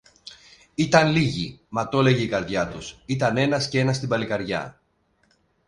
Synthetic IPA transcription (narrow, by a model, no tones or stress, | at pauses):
it̪ɐnliʝimɐt̪o̞le̞ʝeikɐɾðʝɐt̪usit̪ɐne̞nɐscee̞nɐst̪ibɐlikɐɾʝɐ̰